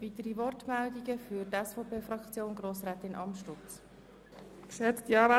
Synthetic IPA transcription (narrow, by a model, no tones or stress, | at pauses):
vit̪əɾivɔrtmɛldiɡəfyɾtɛsfɔpʰeːfrɑkt͡sjoːnɡroːsʁɛːt̪ɪnʔɑ̰mʃtʊt͡s | ksɛtt̪jɑːva